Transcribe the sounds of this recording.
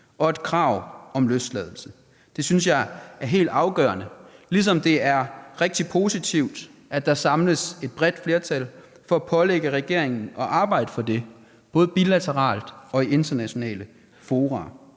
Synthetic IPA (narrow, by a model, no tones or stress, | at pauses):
ʔɒ̽e̝d̥kʰʁɑ̈ʊ̰ɒ̽mløsd̥lɛːð̞ˠl̩sə | d̥e̝synsjɑ̈ɪæɐɦe̝̰ːld̥ɑ̈ʊɡ̥œɐnəlisɒ̽md̥e̝æɐʁɛɡ̥̚d̥ipʰo̝sit͡sʰiʊ̰d̥ʔæd̥ɑ̈sɑ̈mləse̝d̥̚b̥ʁɛd̥fle̝ɐt͡sʰæl | fɒ̽æpʰɒ̽leɡ̥əʁɛɡ̥e̝̰ɐ̰e̝ŋn̩ɒ̽ʔɑ̈ːb̥ɑ̈ɪ̰d̥əfɒ̽d̥e̝ | b̥ɔ̽ːð̞ˠb̥ilæt͡sʰəʁɑ̰̈ːld̥ɒ̽ie̝nd̥ɐnæɕo̝nɛ̰ːlə | fo̝ːʁɑː